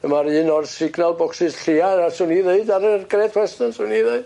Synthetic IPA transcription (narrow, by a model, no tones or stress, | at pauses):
əmaɾɨnɔrsɪɡnalˠbɔksɪsɬianasuniðeɨdaɾərɡrɛdʰwɛstənsuniðeɨd